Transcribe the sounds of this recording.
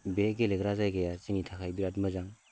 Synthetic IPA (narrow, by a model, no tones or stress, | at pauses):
beɡeleɡɾazajɡajat͡ʃiŋitʰakʰajbiɾat̚məzaŋ